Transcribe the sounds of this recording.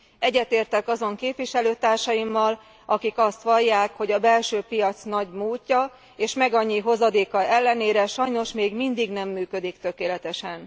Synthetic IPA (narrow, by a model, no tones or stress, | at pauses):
ɛɟːɛt̪eːrt̪ɛkɒzo̞ŋkeːpʋiʃɛløːt̪aːrʃɒjimːɒl | ʔɒkikɒst̪ʋɒjːaːkho̞ɟɒbɛlʃøːpijɒt̪snɒɟmuːcːɒ | eːʃmɛɡɒɲːiɦo̞zɒd̪eːkɒɛlːɛneːɾɛʃɒjno̞ʃmeːɡmind̪iɡnɛmːyːkø̞d̪ikt̪ø̞keːlɛt̪ɛʃɛn